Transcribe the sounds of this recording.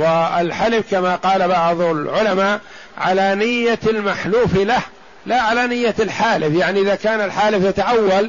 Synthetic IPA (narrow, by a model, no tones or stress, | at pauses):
wɪɪlħalɪfkamaqɑːlabɑʕðˤʊlʕʊlamaːʔ | ʕa̰lanɪjːalmaħluːfilah | laʕalanɪjːalħaːlɪfjaʕniʔɪðakaːnalħaːlɪfjat̪aʔawːal